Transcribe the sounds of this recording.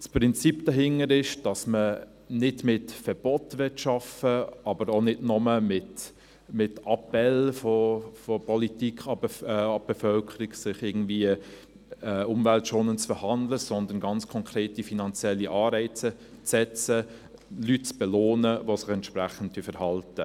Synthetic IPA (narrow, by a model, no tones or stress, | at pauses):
spʁɪnt͡sipd̥ɑɦɪŋəɾɪʃd̥ɑsmə | nɪdmɪtfɛb̥ɔtvɪtʃɑfəɑbəɾonɪdnɔməmɪt | mɪtɑpɛlfɔfɔpʰɔlitikχɑbəɑb̥ɛfœlkʰəɾiɡsɪχɪɐɡn̩dviə | ɛʊmvæltʃoːnənt͡sfəhɑndləsɔndənɡɑnt͡skʰɔŋkɾeːtifinɑnt͡sjɛlːiʔɑːɾɛɪt͡sə | t͡sɛt͡səlytt͡sb̥ɛloːnəvosɪχɛntʃpɾæχən̩t̚tːyəfɛɾhɑltə